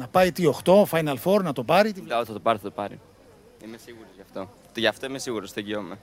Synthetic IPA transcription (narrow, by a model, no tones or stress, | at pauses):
nɐpɐjt̪io̞xt̪o̞fɐjnɐlfoɾnɐt̪o̞pɐɾit̪iɐot̪θɐt̪opɐɾiθɐt̪opɐɾḭ | imesiɣuɾozʝɐft̪o̞ | t̪ʝɐːft̪oimesiɣuɾost̪eɟiome